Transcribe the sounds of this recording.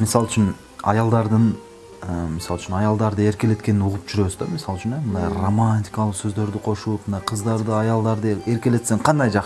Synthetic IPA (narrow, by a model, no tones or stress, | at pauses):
misɑlˠɪt͡ʃʰyn | ɑ̰jɑlˠd̪ɑɾd̪ɯn | əmisɑlˠt͡ʃʰynɑjɑlˠd̪ɑɾd̪ɯe̞ɾkʲe̞le̞t̪̚kʲe̞nɪnuʁup̚d͡ʒyɾe̞βɪzd̪ɑmisɑlˠt͡ʃʰynemnd̪ɑjromanʲtʲikɑlˠəqsøzd̪ø̞ɾd̪ɪqʰo̞ʃulp̚mɯnd̪ɑjqʰəzd̪ɑɾd̪ɯɑjɑlˠd̪ɑɾd̪ɯe̞ɾkʲe̞le̞t̪seŋqʰɑnd̪ɑjd͡ʒɑq